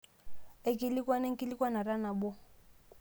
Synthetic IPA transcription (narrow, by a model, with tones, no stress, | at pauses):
e˦kʼɪ˦li˦kʼwa˦ne˦ŋ̩˦kʼɪ˦li˦kwa˦na˨ra˦na˨bʊ˦